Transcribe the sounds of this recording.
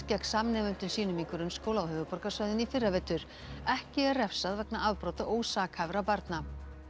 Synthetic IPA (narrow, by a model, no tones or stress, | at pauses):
cɛk̪samnɛːvʏn̥t̪ʏnsiːnʏmiŋkʰʏɾʏnskoːwlaawhœːvʏpɔɾkḁsvœɥðɪnifɪrːavɛːt̪ʏɾ | ɛhcɪɛrɛfsaðvɛknaʔavpɾowt̪aʔoːwsaːkhavɾapaɾt̪na